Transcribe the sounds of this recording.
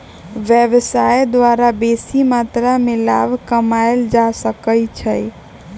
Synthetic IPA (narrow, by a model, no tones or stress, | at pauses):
ʋjəbsajd̪waɾabesimat̪ɾamela̰bkəmajld͡ʒasəkəlt͡ʃʰəj